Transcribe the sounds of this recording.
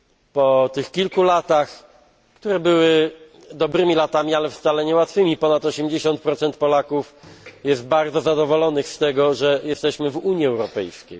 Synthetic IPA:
pɔt̪ɘxkʲilkulat̪ax | kt̪uɾɛbɘwɘ | d̪ɔbɾɘmʲilat̪amʲialɛft̪salɛɲɛwat̪fɘmʲipɔnat̪ɔɕɛmd͡ʑeɕɔnt̪̚pɾɔt̪sɛnt̪̚pɔlakufjɛst̪̚baɾd̪zɔzad̪ɔvɔlɔnɘxst̪ɛɡɔʐɛjɛst̪ɛɕmɘvuɲiɛwɾɔpɛjskʲej

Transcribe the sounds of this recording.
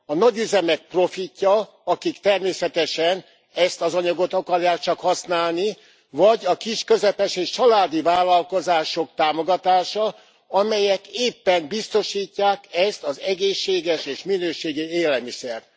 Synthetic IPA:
ɒnɒɟyzɛmɛk̚pro̞ficːɒ | ɒkikt̪ɛrmeːsɛt̪ɛʃɛn | ɛst̪ɒzɒɲɒɡo̞t̪ɒkɒrjaːk̚t͡ʃɒkhɒsnaːlni | vɒɟɒkiʃkø̞zɛpɛʃeːʃt͡ʃɒlaːd̪ivaːlːɒlko̞zaːʃo̞kt̪aːmo̞ɡɒt̪aːʃɒ | ɒmɛjɛkeːpːɛnbist̪o̞ʃiːcːaːkɛst̪ɒzɛɡeːʃːeːɡɛʃeːʃminøːʃeːɡieːlɛmisɛr

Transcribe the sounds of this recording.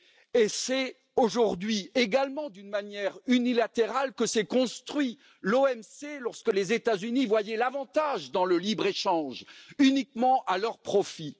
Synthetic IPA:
esɛ | oʒuʁd̪ɥieɡalmɑ̃d̪ynmanjɛʁynilat̪eʁalkəsɛkɔ̃st̪χɥi | loɛmselɔʁskəlezet̪azynivwajɛlavɑ̃t̪aʒd̪ɑ̃ləlibʁeʃɑ̃ʒynikmɑ̃ʔalœʁpχɔfi

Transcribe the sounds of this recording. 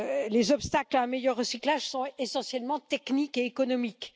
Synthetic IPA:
lezɔpst̪aklaɛ̃mejœʁːəsiklaʒsɔ̃esɑ̃sjɛlmɑ̃t̪ɛknikeːkɔnɔmik

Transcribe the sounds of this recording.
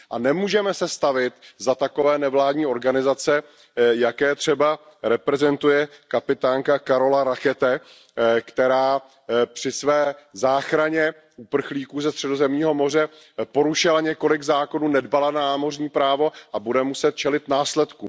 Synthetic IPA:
ʔanɛmuːʒɛmɛsɛst̪avɪt̪zat̪ako̞vɛːnɛvlaːdɲiːo̞ɾɡanɪzat͡sɛ | jakɛːt̪r̥ɛba | ɾɛpɾɛzɛnt̪ujɛkapɪt̪aːŋkakaɾo̞laɾaxɛt̪ɛ | kt̪ɛɾaː | pr̥ɪsvɛːzaːxɾaɲɛ | ʔupr̩xliːkuːzɛst̪r̥ɛdo̞zɛmɲiːɦo̞mo̞r̝ɛ | po̞ɾuʃɪlaɲɛko̞lɪɡzaːko̞nuːnɛdbalananaːmo̞rɲiːpɾaːvo̞ʔabudɛmusɛt̪̚t͡ʃɛlɪt̪naːslɛt̪kṵːm

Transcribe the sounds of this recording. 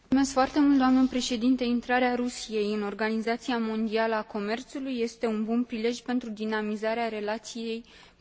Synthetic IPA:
mume̞skfoart̪e̞mult̪d̪oamnəpɾe̞ʃe̞d̪int̪eint̪ɾaɾeaɾusije̞jɨno̞rɡanizat̪siamo̞nd̪ialəako̞me̞rt̪sulujːe̞st̪e̞unbunpɾile̞ʒʲpe̞nt̪ɾud̪inamizaɾeaɾe̞lat̪sije̞j

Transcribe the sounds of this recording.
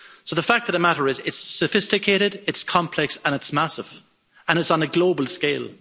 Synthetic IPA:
soʊðəfak̚ðəɾəmaɾəɹɪzɪtsəfɪstɨkʰeɪɾɪdɪtskʰɒ̃mpʰl̥ɛksə̃ñɪtsmasɪv̥ | ə̃ñɪtsn̩əɡloʊbəlˠskeɪlˠ

